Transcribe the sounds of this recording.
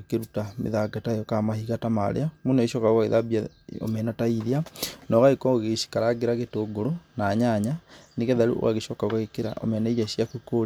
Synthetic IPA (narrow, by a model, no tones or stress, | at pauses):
keɾutamḛðaɡataejɔkamahiɣatama̰ɾḛamonaeʃɔkaɣokaeðabiao̰mɛnataiðianɔɣaikɔɣeʃi̥kaɾaɡeɾaɣetoːɡoɾonaɲaɲaneɣɛðaɾṵʔo̰ɣaɣeʃɔkaokaɣekeɾa̰ʔo̰mɛnɛiɾaɕjakikoɾ